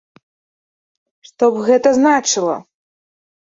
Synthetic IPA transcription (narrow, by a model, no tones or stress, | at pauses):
ʂt̪ɔbɣɛt̪ɐznat͡ʂɨlˠɐ̰